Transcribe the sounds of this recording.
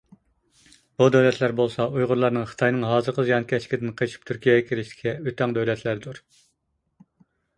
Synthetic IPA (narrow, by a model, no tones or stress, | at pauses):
b̥ud̪øwlɛt̪ʰlæɾbolˠsɑujʁʊɾlˠɑɾnɨŋχə̥t̪ʰɑjnɨŋɦɑːzɨɾqʰəzjɑnkʲʰɛt͡ʃʰkʲʰɪd̪ɪnqʰeʃʰi̥p̚t̪ʰyɾkʲijɛɡɛkʲʰilɪʃt̪ɪ̥kʲʰɛøt̪ʰɑŋd̪øwlɛt̪ʰlæɾd̪uɾ